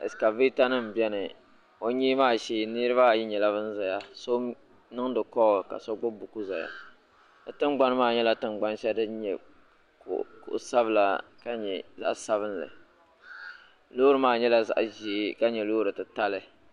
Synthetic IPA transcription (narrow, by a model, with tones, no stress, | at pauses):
ɨ̰˨ska˨viː˦ta˦nɨ˦m˨bɛ˦nɨ˨ | o˦ɲiː˦maː˦ʃeː˦ni˦ɾɨ˦ba˦˨ji˦ɲɛ˨la˦βɨ˦n̩˦za˨ja˦so˦ | nɨ˦ŋdɨ˨kɔ˦˨ka̰˨sɔ˦ɡ͡bʊ˦bu˨ku˦za˨ja̰˦ | dɨ˨tɨ˦mɡ͡ba˦n˦maː˦˨ɲɛ˦la˦tɨ˨mɡ͡ba˦n˦ʃa˦dɨ˦ɲɛ̰˨ | kkʊ̰˨ʔsa˦bɨ˦la̰˨ka˦ɲɛ˨za̰˦ʔsa˦βɨ˦n˦lɨ̰˨ | loː˦ɾɨ˦maː˦ɲɛ˦la˦za̰˨ʔʒi˨˦ka˦ɲɛ˨loː˦ɾɨ˨tɨ˨ta˦lɨ˦